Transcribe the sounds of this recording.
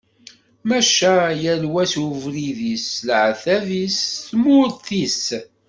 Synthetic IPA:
mæʃæjəlwæsuvɾiðislʕθæðisθmʊɾθis

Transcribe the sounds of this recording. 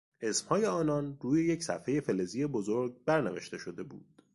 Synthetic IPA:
ʔe̞smhɒːje̞ɒːnɒnruːje̞jecʰsæ̰fhe̞je̞fe̞lezijebozoɾɡ̚bæɾneveʃt̪e̞ʃo̞d̪e̞bṵːd̪̥

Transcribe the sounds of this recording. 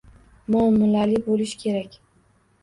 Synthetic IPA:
mʊmːʊlalɪbolɪʃkʲʰe̞ɾakʲ

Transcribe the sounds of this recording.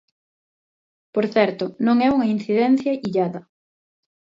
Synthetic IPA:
poɾθɛɾt̪ʊnõŋɛuŋɐin̟θiðɛn̟θjɐiʎaðɐ

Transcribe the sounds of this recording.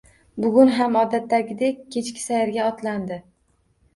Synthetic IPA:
bʊɡʲʊnɦamɒd̪at̪ʰːaɡʲɪd̪ekʲkʲʰːe̞t͡ʃkʲɪ̥sajaɾɡʲaɒt̪land̪ɪ

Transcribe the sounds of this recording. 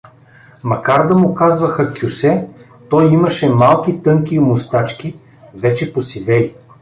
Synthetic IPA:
mɐkaɾd̪əmʊkazvəxəkʲusɛ | t̪ɔjimɐʃɛmalˠkit̪ɤŋkʲimʊst̪at͡ʃkʲi | vɛt͡ʃɛposivɛl

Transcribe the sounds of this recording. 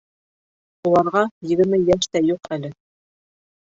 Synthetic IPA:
ulˠɑɾʁɑjɘ̆ɡɘ̆ɾmɘjæʃt̪æjuqælɘ

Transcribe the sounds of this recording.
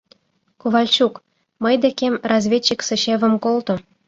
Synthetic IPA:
kuʋɑlʲɕuk | mɤ̆jd̪ekʲemʲrɑzʲvʲet͡ɕːiksɤ̆ɕevʲɘ̆mkolˠt̪ɤ̆

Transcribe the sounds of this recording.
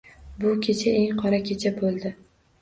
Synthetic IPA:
bʊkʲʰe̞t͡ʃʰae̞ŋqʰɒɾakʲʰet͡ʃʰabolˠd̪ɪ

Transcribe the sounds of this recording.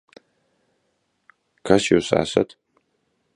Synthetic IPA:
kʰɐsjowsa̰ːsɐtʰ

